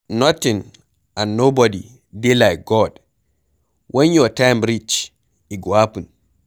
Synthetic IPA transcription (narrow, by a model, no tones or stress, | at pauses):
nɔtin | ʔanːobɔdi | dɛlajkɡɔd | wʔɔnjɔtajmɾit͡ʃ | iɡapun